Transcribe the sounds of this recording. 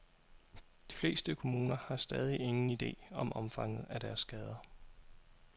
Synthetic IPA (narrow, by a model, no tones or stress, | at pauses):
d̥i̥fle̝̰ːsd̥əkʰo̝muːnɐhɑ̈sd̥ɛð̞ˠie̝ŋn̩id̥e̝̰ːɒ̽mʔɒ̽mfɑ̈ŋ̰ð̞̩ˠæd̥æɐsːɡ̥ɛːð̞ˠɐ